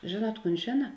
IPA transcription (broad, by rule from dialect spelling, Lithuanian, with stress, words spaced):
ˈʒʲeːˌnuɔt ˈkuːn ˈʒʲeːnɐ